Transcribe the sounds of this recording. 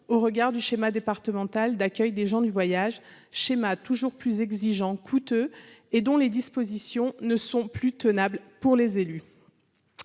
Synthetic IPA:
oʁəɡaʁd̪yʃemad̪epaʁt̪əmɑ̃t̪ald̪akʲœjd̪eʒɑ̃d̪yvwajaʒ | ʃemat̪uʒuʁplyzɛɡziʒɑ̃kʰut̪øed̪ɔ̃led̪ispozisjɔ̃nəsɔ̃plyt̪ənablpuʁlezely

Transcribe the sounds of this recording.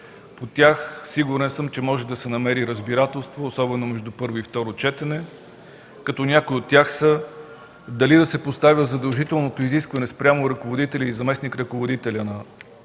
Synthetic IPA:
pot̪ʲaxsiɡuɾɛnsɤmt͡ʃɛmɔʒɛd̪ɐsɛnɐmɛɾiɾəzbiɾat̪ɛlˠst̪voːsɔbɛnomɛʒd̪upɤɾvoift̪ɔɾot͡ʃɛt̪ɛnɛ | kɐt̪ɔnʲakʊjot̪ʲːjaxsə | d̪ɐlid̪ɐsɛpost̪avʲjəzɐd̪ɐlˠʒit̪ɛlˠnot̪oiziskvɐnɛspɾʲamoɾɐkovod̪it̪ɛlʲəizɐmɛsnikɾɐkovod̪it̪ɛlʲənɐ

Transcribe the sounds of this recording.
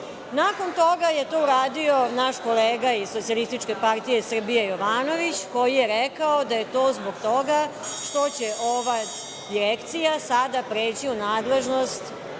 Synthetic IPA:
nako̞nt̪o̞ɡaje̞t̪o̞ːuɾaːd̪io̞naʃko̞leːɡaizsosialist̪it͡ʃke̞part̪ije̞sr̩bijejoʋaːno̞ʋit͡ɕko̞jijeɾɛkaod̪aje̞t̪o̞ːzboɡt̪o̞ɡaʂt̪o̞t͡ɕeʔoʋa | d̪iɾekt̪sijasad̪apɾeːt͡ɕiunaːd̪le̞ʒnost̪

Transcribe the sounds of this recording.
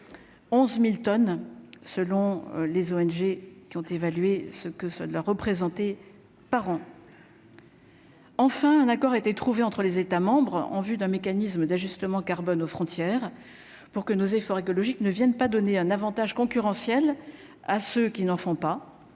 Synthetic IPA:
ɔ̃zmilt̪ɔnsəlɔ̃lezoɛnʒekʲiɔ̃t̪evalɥesəkəsəlaʁːəpχezɑ̃t̪e | paʁɑ̃ | ɑ̃fɛ̃ɛ̃nakɔʁaet̪et̪χuveɑ̃t̪χəlezet̪amɑ̃bʁɑ̰̃vyd̪ɛ̃mekanisməd̪aʒyst̪əmɑ̃kaʁbɔnofχɔ̃t̪jɛʁ | puʁkənozefɔʁekɔlɔʒiknəvjɛnpad̪ɔneɛ̃navɑ̃t̪aʒkɔ̃kʲyʁɑ̃sjɛl | asøkʲinɑ̃fɔ̃pa

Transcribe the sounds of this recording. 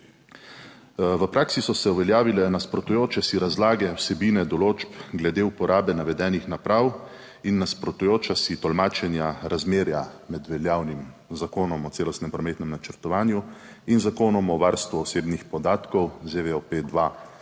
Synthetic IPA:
ʋəpɾʔaːksisɔsɛuʋɛljaːʋilɛnaspɾɔt̪ujoːt͡ʃɛsiɾazlaːɡɛwsɛbiːnɛd̪ɔloːd͡ʒpɡlɛd̪eupɔɾʔaːbɛnaʋɛd̪ɛːnixnapɾaw | inːaspɾɔt̪ujoːt͡ʃasit̪ɔlmaːt͡ʃɛnjaɾazmeːɾjamɛd̪ʋɛljaːwnimzakoːnɔmɔt̪eːlɔst̪nɛmpɾɔmeːt̪nɛmnat͡ʃəɾt̪ɔʋaːnju | inzakoːnɔmɔʋaɾst̪ʋuɔseːbnixpɔd̪aːt̪kɔwzeʋeoped̪ʋa

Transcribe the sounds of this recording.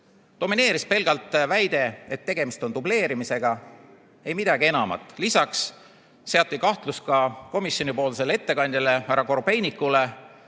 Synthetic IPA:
t̪o̞mine̞ːɾispe̞lɡ̥ɑlt̪ːˑvæjd̪̥e̞et̪ːe̞ɡ̥e̞mist̪o̞nt̪uble̞ːɾimise̞ɡ̥ɑ | e̞jmid̪̥ɑɡie̞nɑmɑ̰t̪ːˑlisɑksː | e̞ɑt̪ˑːikɑht̪luskɑko̞misjo̞nʲipo̞ːlse̞lːee̞t̪ːe̞kɑnʲd̪̥ʲile̞æɾɑko̞rbe̞jnikːule̞

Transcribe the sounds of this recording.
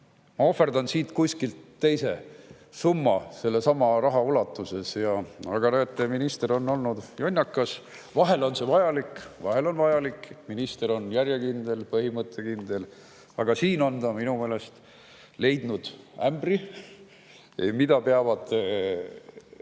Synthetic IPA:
mɑo̞fːerd̪ɑnsiːt̪kuskilt̪ːe̞jse̞ | sumːɑse̞lːe̞sɑmɑrɑɦɑulɑt̪ːˑuse̞sjɑɑɡ̥ɑnoet̪ːˑeminist̪eɾo̞nːo̞lnud̪̥jo̞nʲːɑkːˑɑs | vɑɦe̞lo̞nse̞vɑjɑlikvɑɦe̞lo̞nvɑjɑlikːˑminist̪e̞ɾo̞njæɾjekind̪̥e̞lpɤɦimɤt̪ʰːˑe̞kind̪e̞l | ɑɡ̥ɑsiːno̞nt̪ɑminume̞ːle̞st̪ | le̞jd̪̥nud̪̥æmbri | ḛmid̪̥ɑpe̞ɑvɑd̪̥

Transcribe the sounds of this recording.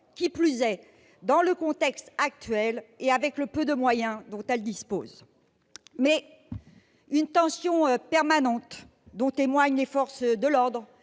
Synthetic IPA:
kʲiplyzɛ | d̪ɑ̃ləkɔ̃t̪ɛkst̪ak̚t̪ɥɛleavɛkləpød̪əmwajɛ̃d̪ɔ̃t̪ɛld̪ispoz | mɛ | ynt̪ɑ̃sjɔ̃pɛʁmanɑ̃t̪ | d̪ɔ̃t̪emwaɲlefɔʁsd̪əlɔʁd̪ʁ

